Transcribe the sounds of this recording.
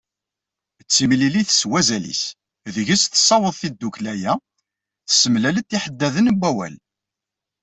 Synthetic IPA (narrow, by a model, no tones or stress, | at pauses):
t͡sːimliliθə̥swæzælḭs | ðəʝəsθə̥sːɑwəðˤθid̪ːuklæjæ | θə̥səmlælət̪ːiħəd̪ːæðənəbːæwæ̰l